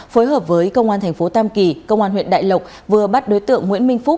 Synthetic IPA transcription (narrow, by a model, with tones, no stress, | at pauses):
foː˨˦jɦəː˨˩p̚vəː˨˦jkə˧wŋ͡mʔaː˧nt̪ʰjŋ̟fo˨˦t̪aː˧mki˨˩kə˧wŋ͡mʔaː˧nɦwḭ˧˨ənɗa̰ː˧˨jlə˨˩k͡p̚ | vɨ˨˩əɓa˦˥t̚ɗo˨˦jt̪ɨ̰˧˨əŋːwḭ˧˥ənmï˧ŋ̟fʊ˦˥t̚